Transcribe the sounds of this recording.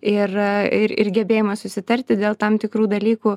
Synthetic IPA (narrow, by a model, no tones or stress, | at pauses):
ɪrɪɾɪ̰rɡʲɛbʲeːjɪmɐsʊsʲɪt̪ɐrʲt̪ʲɪd̪ʲeːlˠt̪ɐmt̪ʲɪkɾuːd̪ɐlʲiːkuː